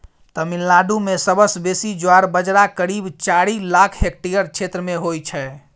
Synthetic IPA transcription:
t̪əmilːaɖumesəbəsbesid͡ʒoaɾbəd͡ʒɾakəɾibt͡ʃaɾilakʰɦekʈijəɾt͡ʃʰet̪ɾəmeɦojt͡ʃʰɛ

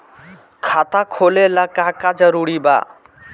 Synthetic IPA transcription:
kʰat̪akʰolelakakad͡ʒəɾuɽiba̰

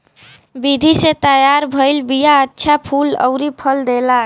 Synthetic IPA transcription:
bid̪ʱiset̪əjaɾbʱəjlbijaətːʃʰapʰulə̰ʊɾipʰəld̪ela

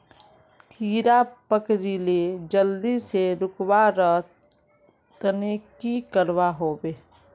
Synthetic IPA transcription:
kʰiːɾapəkɾiled͡ʒəld̪iseɾʊkwaɾə | t̪nekikəɾwaɦoːbeː

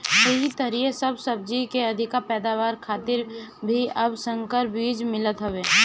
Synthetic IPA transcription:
kʊɦit̪əɾiːesɐbsɐb̚d͡ʒikeɐd̪ʱɪkapɛːd̪aːʋaːɾkʰaːt̪ɪɾbʱiɐbsə̃ŋkəɾbiːd͡ʒmɪlət̪ɦoʋeː

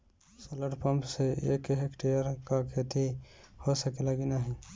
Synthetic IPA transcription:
soləɖpə̃mpseḛːkeekʈejəɾkakʰeːt̪ihosəkeləɡinaɦĩː

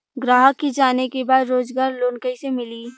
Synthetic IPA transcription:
ɡɾaːɦəkːid͡ʒaːnekebaːd̪ɾoːd͡ʒɡaːɾloːnkəisemɪliː

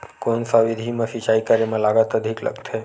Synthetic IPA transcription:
konsaʋid̪ʱimãʃit͡ʃajkaɾimãlaɡat̪əd̪ʱiklə̰kt̪ʰɦe

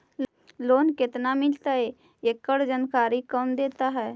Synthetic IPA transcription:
loːnkɪt̪namɪlt̪aɦe | ekːəɽd͡ʒənkaːɾikəmd̪eːt̪aɦɛː

